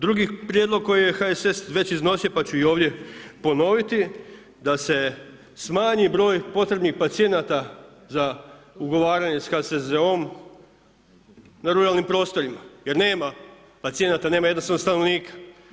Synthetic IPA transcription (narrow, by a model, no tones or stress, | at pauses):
d̪ɾuɡipɾjed̪lˠo̞ɡ̚ko̞jijexaese̞sʋe̞t͡ɕizno̞sijopat͡ɕuio̞ːʋd̪je̞po̞no̞ʋit̪i | d̪ase̞ | smaːɲibɾo̞ːjpo̞t̪ɾe̞bnixpat̪sije̞nat̪a | zauɡo̞ʋaːɾaɲesxasezeom | naɾuɾalnimpɾo̞ːst̪o̞ɾimajeɾne̞ːma | pat̪sije̞nat̪ane̞ːmajed̪nost̪aʋnost̪ano̞ʋniːkḁ